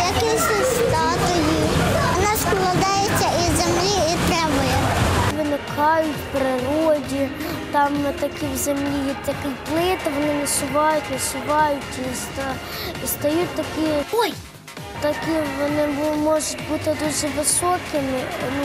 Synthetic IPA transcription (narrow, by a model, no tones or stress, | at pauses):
jɐkɪsʲʊst̪ɑt̪ɔjiɔnɑʃkɔlˠɐd̪ɑjet͡sʲːɐizʲemlʲiit̪ɾɛʋɔjɛʋɪnɪkʰɑjʊtʲpɾɪɾɔdʲi | t̪ɑmt̪ɐkiwzemlʲijɛtʲjɐkɪplˠɪt̪ɪʋɔnɪnɐsʊʋɑjʊtʲnɐsʊʋɑjʊtʲist̪ | ist̪ɐjutʲt̪ɐkʲi | t̪ɐkʲiʋɔnɪbmɔʒʊtʲbut̪ɪd̪uʒɛʋɪsɔkɪmɪnu